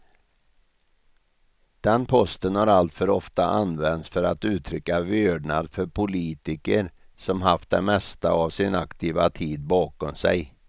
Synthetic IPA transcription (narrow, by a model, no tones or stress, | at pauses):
d̪̥ɛnpʰɔst̪ənhaɾalt̪fœɾɔft̪aʔanvɛnt̪sfœɾat̪ʉ̟ːt̪ʰɾʏkːavøɖɳad̪fœɾpʰʊliːt̪ɪkəɾsɔmɦaft̪̚d̪ɛ̰mɛst̪a̰avsɪna̰kt̪ʰiːvat̪ʰiːd̪̚bɑːkɔmsɛ̰j